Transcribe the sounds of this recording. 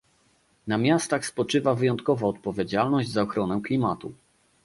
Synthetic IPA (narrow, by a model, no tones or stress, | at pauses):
namʲjast̪axspɔt͡ʂɘvavɘjɔnt̪kɔvɔɔt̪̚pɔvʲjed͡ʑalnɔʑd͡ʑzaɔxɾɔnɛklʲimat̪u